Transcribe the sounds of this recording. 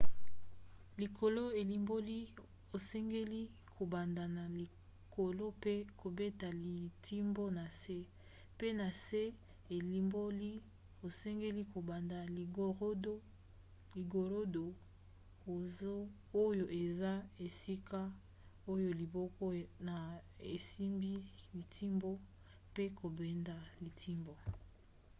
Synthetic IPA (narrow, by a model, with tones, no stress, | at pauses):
li˨kʰo˨lo˦e˨li˦mbo˦li˦ | o˨sɛ˦ŋɡe˦li˦ | kʰo˨ba˨nda˨na˨li˨ | ko˨lo˦pe˦kʰo˨be˦ta˨li˨tʰi˦mbo˦na˨se˦ | pe˦na˨se˦ | e˨li˦mbo˦li˦ | o˨sɛ˦ŋɡe˦li˦ko˨ba˨nda˨o˨˦do˦ | li˨ɡo˨ɾo˦do˨ | o˦ | o˦jo˨ʔe˨za˦e˨si˦ka˦ | o˦jo˨li˨bɔ˦kɔ˦na˨ | e˨si˦mbi˦li˨tʰi˦mbo˦ | pe˦ko˨be˨nda˨li˨tʰi˦mbo˦